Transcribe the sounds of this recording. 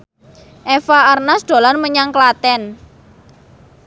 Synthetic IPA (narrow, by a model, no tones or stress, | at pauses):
ʔɛfaarnasd̪̥o̤lanməɲaŋklat̪ɛn